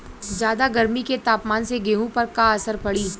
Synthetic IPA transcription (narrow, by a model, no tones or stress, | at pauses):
d͡ʒjaːd̪aɡɐɾmiket̪aːpmaːnseɡeːɦũpɐɾkaɐsəɾpɐɽiː